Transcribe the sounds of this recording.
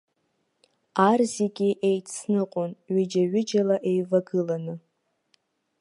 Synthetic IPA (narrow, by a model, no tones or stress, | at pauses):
arziɡʲiʔe̞jtʰsnɨqʼʊnɥɪd͡ʒaɥɪd͡ʒalaʔe̞jvaɡɨlanɨ